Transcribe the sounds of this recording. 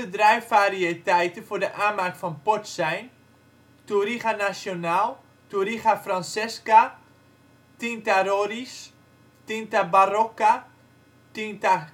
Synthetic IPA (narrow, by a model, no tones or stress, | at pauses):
ədrɛjfariətɛjtəfʊːrdəʔaːmakfɔnpɔtsɛjn | tuɾiχanasjonalˠ | tuɾiχafransɛska | tintaɾoɾis | tintabaroka | tinta